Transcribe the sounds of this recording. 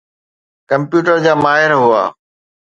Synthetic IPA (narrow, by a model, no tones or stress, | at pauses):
kɐ̃mpjuːʈəɾd͡ʑaːmaːɦɪɾɦʊa̰ː